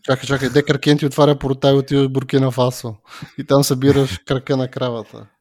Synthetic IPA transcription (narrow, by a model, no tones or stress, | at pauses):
t͡ʃakət͡ʃakəjd̪ɛkɾkʲɛnt̪iot̪vaɾʲɐpʊɾt̪aiʊt̪ivəʒbʊɾkɛnɐfasoit̪amsɐbiɾəʃkɾɐkənɐkɾavət̪ə̰